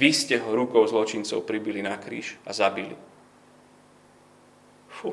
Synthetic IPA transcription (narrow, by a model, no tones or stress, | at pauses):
ʋiscɛɦɔɾukɔʊzlɔt͡ʃint͡sɔ̰ʊpɾibilinakɾḭːʃazabilḭ | fu